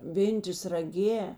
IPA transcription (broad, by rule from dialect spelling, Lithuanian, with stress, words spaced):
ˈʋʲeːnʲtʲeːs rɐˈɡʲeː